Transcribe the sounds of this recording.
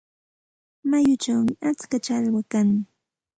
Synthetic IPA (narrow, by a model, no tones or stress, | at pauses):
majʊt͡ʃawmɪat͡skat͡ʃalwakaŋɪ